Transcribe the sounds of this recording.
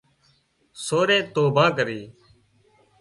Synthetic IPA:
soːɾẽːt̪oːbʱaːkəɾiː

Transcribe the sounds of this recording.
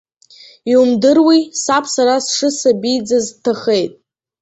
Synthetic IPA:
iumdɨrwisapʰsaɾasʂɨsabijd͡zaztʰaχejtʼ

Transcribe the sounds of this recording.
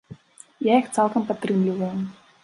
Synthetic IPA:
jajixt̪sɛlˠkɐmpɐt̪ːrɨmlʲivɐjʊ

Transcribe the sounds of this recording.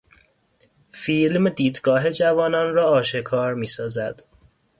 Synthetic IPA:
filmd̪iːd̪ɡɒːɦe̞d͡ʒævɒːnɒnrɒːʃe̞kʰɒːɾmiːsɒːzæd̪̥

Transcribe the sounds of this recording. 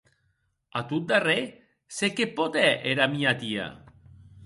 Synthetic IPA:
at̪ut̪̚d̪are | sekepot̪ɛʔeɾamiat̪ia̰

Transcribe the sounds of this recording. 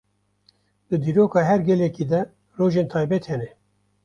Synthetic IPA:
d̪̥ɨd̪iːɾoːkɑːɦɛɾɡɛlɛkiːd̪ɛ | roːʒeːnt̪ʰɑːjbɛt̪hɛnɛ

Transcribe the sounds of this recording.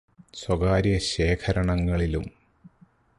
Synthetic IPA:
swɐɡaːɾjɐɕe̞ːkʰɐɾɐɳɐŋːɐɭilum

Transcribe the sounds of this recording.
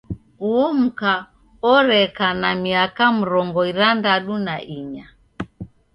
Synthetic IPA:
uɔm̩ka | ɔɾɛkanamiakam̩ɾɔŋɡɔiɾandaɗunaʔiɲa

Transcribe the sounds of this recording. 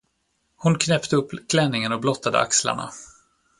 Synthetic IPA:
hʊnkʰnɛpt̪əɵpːkʰlɛnːɪŋənɔblɔt̪ːad̪ə̰a̰ksla̰ɳa̰

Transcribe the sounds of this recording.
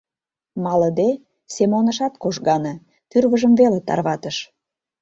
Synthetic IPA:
mɑləd̪e | semonəʃɑt̪koʃɣɑnɤ̆ | t̪yrβəʒəmvelet̪ɑ̰rβɑt̪əʃ

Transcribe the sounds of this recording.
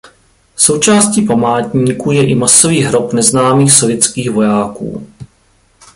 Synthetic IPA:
so̞wt͡ʃaːsciːpamaːt̪ɲiːkuːjɛʔɪmasoviːɦɾo̞pnɛznaːmiːxsovjɛt͡skiːxvo̞jaːkṵː

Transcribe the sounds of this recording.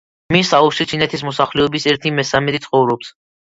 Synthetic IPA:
misaɔʃit͡ʃ̪ʰinɛt̪ʰis̬mɔsaχlɛɔbisɛɾt̪ʰimɛsamɛt̪it̪sʰχɔvɾɔps

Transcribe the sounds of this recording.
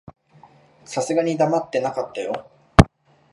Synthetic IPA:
sasɨɡaɲ̟id̪amat̪ːe̞nakat̪ːajo̞

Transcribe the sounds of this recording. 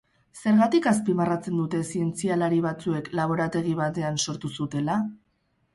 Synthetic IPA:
se̞ɾɣat̪ikas̬pimarat͡se̞nd̪ut̪e̞sie̞nt͡sialaɾiβ̞at͡sue̞klaβ̞o̞ɾat̪e̞ɣ̞iβ̞at̪e̞anso̞ɾt̪usut̪e̞la

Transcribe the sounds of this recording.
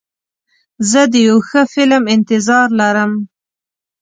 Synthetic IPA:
zəd̪əjawxəfɪlmɪnt̪ɪzɑɾlaɾəm

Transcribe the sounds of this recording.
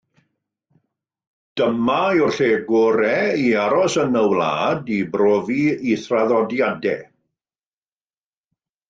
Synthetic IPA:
d̥əmaʊrɬeːɡoɾɛiaɾɔsənəwla̰ːdibroːviiθraðɔdjadɛ̰

